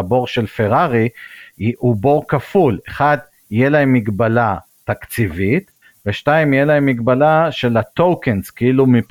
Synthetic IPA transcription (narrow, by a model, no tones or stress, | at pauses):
bo̞ʁʃe̞lfe̞ʁaʁi | ubo̞ʁkafule̞χad̪ | ijelae̞mːiɡbala | t̪akt͡sivit̪ | veʃtaimijelae̞mːiɡbalaʃe̞lat̪owkenskeilumip